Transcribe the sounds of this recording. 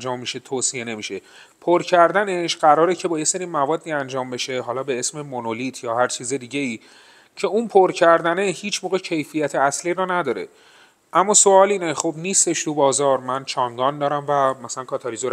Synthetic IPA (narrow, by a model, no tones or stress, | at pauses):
d͡ʒɒːmːiʃe̞t̪ʰoːsije̞ne̞miːʃe | pʰoɾcʰæɾd̪æne̞ʃɢ̥æɾɒːɾecʰe̞bɒːjese̞ɾiːmævɒːd̪ːiːænd͡ʒɒːmbe̞ʃe̞ɦɒːlɒːbe̞e̞sme̞monolit̪ʰjɒːhæɾt͡ʃʰiːzed̪iːɟe̞iː | cʰe̞unpʰoɾcʰæɾd̪æne̞hiːt͡ʃʰmoːɣe̞cʰe̞jfijæt̪ʰeæsliːɾɔːnæd̪ɒːɾe̞̰ | ʔæmːɒːso̞ɒːliːneχobniːst̪e̞ʃt̪ʰubɒːzɒːɾmænt͡ʃʰɒŋɡɒːnd̪ɒːɾæmvæmæsælænkʰɒːt̪ʰɒɾizoɾ